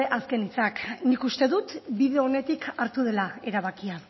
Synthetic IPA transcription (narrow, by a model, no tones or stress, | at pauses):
eʔaske̞nit͡saknikust̪e̞ðut̪biðe̞o̞ne̞t̪ikaɾt̪uðe̞lae̞ɾaβ̞akia